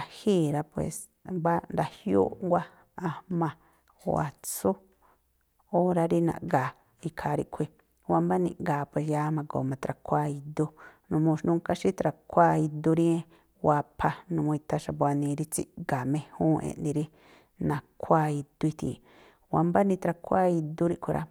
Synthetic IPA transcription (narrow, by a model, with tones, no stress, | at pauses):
a˧hiː˦˨ɾa˧pwḛ˨s | ba˦nɾa˧hjṵː˦ŋɡʷa˦ | a˧mã˧ | o̰˧a̰˨t͡su˦ | o˦ɾa˧ɾi˦nã̰˨ʔɡa˨ | i˧kʰa˧˨ɾi˧ʔkʷʰi˧ | wa˧mba˦nḭ̃˧ɡaː˨pwe˧˨s̬ja˦mã˧ɡo̰˨mã˧t̪ɾa˧kʰʷa˦˧i˧d̪u˧nũ˧mũ˧ʃnũ˧˦ka˦ʃi˦t̪ɾa˧kʷa˦i˧d̪u˧ɾĩ˦ẽ˦ | wa˧pʰa˧nũ˧mũ˧i˧t̪a˧ʃa˧bo˧a˧nĩ˧ɾi˦t͡sḭ˦ɡa˨mẽ˧hũː˦ʔḛ̃˧ʔndĩ˧ɾi˦ | nã˧kʰʷa˦˧i˧d̪̥u˧i˧t̪ḭ˨ | wa˧mba˦nĩ˧t̪ɾa˧kʰʷa˦i˧d̪u˦ɾi˦˧ʔkʷi˧ɾa̰˦